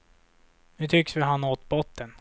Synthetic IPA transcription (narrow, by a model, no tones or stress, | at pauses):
hɵt̪ʰʏksvɪɦanːoːt̪bɔt̪ːən